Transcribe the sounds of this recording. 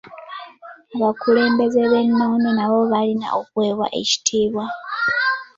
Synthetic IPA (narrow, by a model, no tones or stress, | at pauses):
aβakule̞ːmbe̞zeβe̞nːo̞ːnenaβo̞βalina̰ʔokwe̞ːβwa̰ʔe̞̰ci̥tʰiːβwa